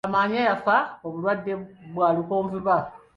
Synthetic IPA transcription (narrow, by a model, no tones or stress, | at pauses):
amaːɲajasaoβulwadːebwaːlukoːɱviβa